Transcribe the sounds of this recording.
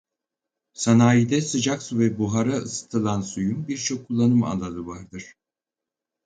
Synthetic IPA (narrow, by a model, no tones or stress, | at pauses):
sanaːjid̪ɛsɯd͡ʒaksuvɛbuɦaɾaɯsɯ̥t̪ʰɯlˠansujumbiɾt͡ʃʰo̞kʰːulˠːanɯma̰lˠad̪ɯvaɾd̪ɯɾ̥